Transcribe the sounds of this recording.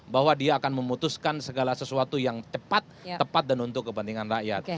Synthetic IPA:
bahwadiaːkanməmut̪uskansəɡalasəsuat̪ujaŋt͡ʃəpat̪̚ːəpat̪̚danunt̪ʊkːəpənt̪iŋanraʔja̰t̪̚

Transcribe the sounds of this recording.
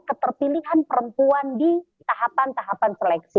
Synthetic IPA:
kət̪ərpiliɦanpəɾəmpuandi | t̪aɦapant̪aɦapansəlɛksi

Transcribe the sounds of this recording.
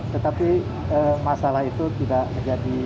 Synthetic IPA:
t̪ət̪api | əmasalahit̪ut̪idaʔmənd͡ʒadi

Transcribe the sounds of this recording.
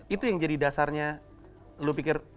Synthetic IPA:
it̪ujaŋd͡ʒadidasarɲa | lupikɪr

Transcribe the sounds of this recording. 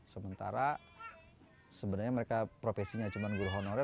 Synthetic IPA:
səmənt̪a̰ɾa | səbənarɲaməɾekapɾofesiɲat͡ʃumanɡuɾɦonɔɾɛ

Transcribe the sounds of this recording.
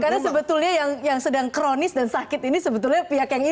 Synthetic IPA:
karnasəbət̪ulɲajaŋjaŋsədaŋkɾonɪsdansakɪt̪inisəbət̪ulɲapiakjaŋi

